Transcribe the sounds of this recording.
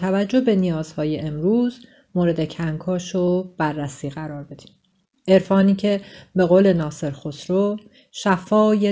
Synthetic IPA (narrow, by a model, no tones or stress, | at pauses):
t̪ʰævæd͡ʒːo̞be̞nijɒːz̥hɒːje̞ʔemɾuːz | moːɾe̞d̪e̞cʰæŋkʰɒːʃob̥ærːæsiːɣæɾɒːɾbe̞d̪̥i̥ːm | e̞ɾfɒːniːcʰe̞be̞ɣoːle̞nɒːse̞ɾxosɾo | ʃæfɒːje